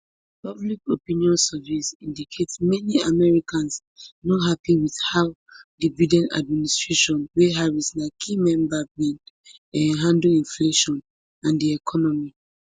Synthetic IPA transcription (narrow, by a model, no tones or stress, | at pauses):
pablikopĩniɔ̃nsɛvisĩndikʰetsmɛniamɛɹikãns | nɔɦapiwið̥haʊ | dividɛ̃nta̰d̚ministɹ̥eʃɔ̃nweɦaɹisnakʰimɛ̃mbabĩn | ɦãnduĩnfleʃɔ̃n | ãndiɛkʰɔnɔmi